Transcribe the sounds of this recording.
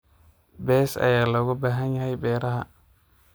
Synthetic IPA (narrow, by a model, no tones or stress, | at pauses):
besa̰jaloɡobaɦaɲhajbeɾaha